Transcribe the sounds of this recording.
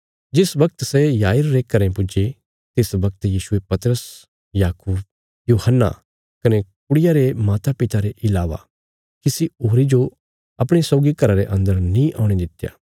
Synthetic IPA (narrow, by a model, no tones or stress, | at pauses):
d͡ʒɪsbɐkt̪sɛjaːɪɾːeːkɐɾẽpʊd͡ʒe | t̪ɪsbɐkt̪jiːʃʊepɐt̪ɾəs | jaːkuːb̚ | juːhənːa̰ | kɐnekʊɽɪjaɾemaːt̪apɪt̪aɾeʔɪlaːʋa̰ | kisioːɾid͡ʒo | ɐpɽ̃esɔːɡikɐɾaɾeʔɐ̃nd̪əɾnĩʔaːʊɽ̃ed̪ɪt̪ːja̰ː